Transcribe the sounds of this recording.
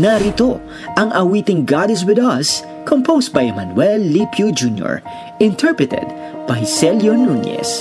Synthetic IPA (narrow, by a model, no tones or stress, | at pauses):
nɐɾit̪o̞ | ʔɐŋʔɐwiːt̪ɪŋɡad̪ɛs̬wɪd̪ɐs | kʰompʰowst̪̚bɐjɛmɐnwɛlːipʰjud͡ʒunjɔ̰ɹ | ɪ̃nt̪ʰɛɹpɹɨt̪ɛ̰d̪̚ | b̥ɐjsɛljonunɛ̰s